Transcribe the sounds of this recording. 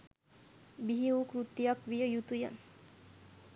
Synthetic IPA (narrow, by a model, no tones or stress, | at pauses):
biɦiukɾut̪ːijakʋijəjut̪uja̰n